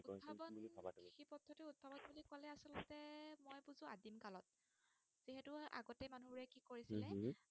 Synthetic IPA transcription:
ubʰabɔnabaxipɔtʰːɔtɛut̚bʰabɔnbulikwalɛasɔlɔtɛmɔjbuzʊ̃adimkalɔt̚ | z̥iɦɛtʊa̰ɡɔtɛmanubuɹɛkikoɹisilɛ

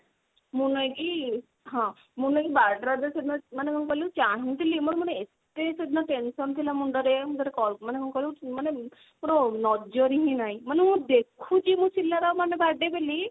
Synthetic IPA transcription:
munɔjɡi | ɦɔ̃ | munɔɡibaɖɾad̪esed̪nɔmanekʰɔnkɔlut͡ʃaɦĩt̪ʰilimunɔmaneest̪esed̪nɔʈensɔnt̪ʰilamudɔɾemũdɔɾekɔmanekʰɔnkɔlumane | muɾɔnɔd͡ʒɔɾiɦĩnaj̃manemũd̪ekʰut͡ʃimũsilːaɾamanebaɖebeli

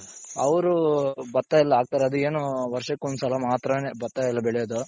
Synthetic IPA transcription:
ɐʋɐɾubɐt̪ːaːjɛlːɐaːɡ̚t̪aːɾeɐd̪ueːnuʋɐɾʂɐkːond̪usɐlɐmaːt̪ɾɐnebɐɾt̪ːaːjɛlːɐbɛɭɛjod̪u

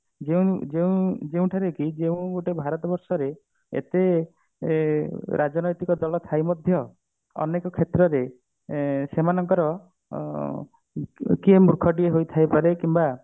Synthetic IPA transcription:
d͡ʒeũd͡ʒeũd͡ʒeũʈʰaɾekid͡ʒeũɡoʈebʱaɾɔt̪ɔbɔɾsɔɾe | ḛt̪e | ɾad͡ʒɔnɔjt̪ikɔd̪ɔlɔt̪ʰajmɔd̪ʱjɔ | ɔ̰nekɔkʰet̪ɾɔɾe | semanɔŋkɔɾɔ | kiemuɾkʰɔʈieɦojt̪ʰajpaɾekimba

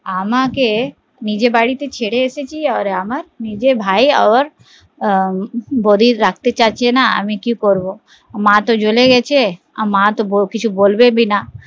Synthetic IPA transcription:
aːmãke | nid͡ʒebaːɽit̪et͡ʃʰeːɽeɛːset͡ʃiɔːɾaːmaɾniːd͡ʒebʱaːiɔːɾ | bod̪ʱiɾak̚ʰt̪et͡ʃaːt͡ʃʰenaə̰mĩkjũkɔɾbo | mãt̪od͡ʒoleɡɛt͡ʃʰe | mãt̪ookɪt͡ʃʰuboːlbebʱina

